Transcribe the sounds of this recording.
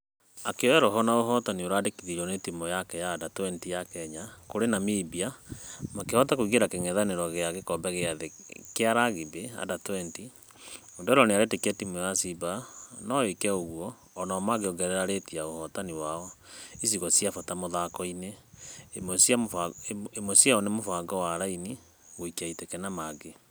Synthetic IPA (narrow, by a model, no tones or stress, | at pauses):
akeɔɛɾɔɦɔnaoɦɔtanioɾadekiðiɾɔnetimɔjakɛjaːdatwɛntijakɛɲakoɾenamibiamakehɔtakoiɣeɾakeŋɛðaneɾɔɣeaɣekɔmbɛɣeaðekeaɾaɣibea̰datɛnti | ondɔɾɔneaɾetekɛtimojasibanɔekɛoɣwɔː | namaɡeoɡɛɾɛɾaɾetiaohɔtaniwaɔis̬iɣɔsiafatamoðakɔine | ms | emosiaɔnemofaŋɡɔwaɾaini | ɣoikiaitɛkɛnamaɡe